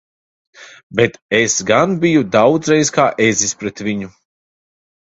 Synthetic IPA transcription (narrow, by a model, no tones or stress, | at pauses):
bet̪esɡanbijud̪awd̪zɾɛjskaːʔezispɾɛt̪vʲiɲu